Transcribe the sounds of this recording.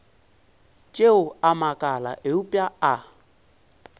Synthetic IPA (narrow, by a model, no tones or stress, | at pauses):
t͡ʃʼeʊamakʼala̰ʔeupʼjaa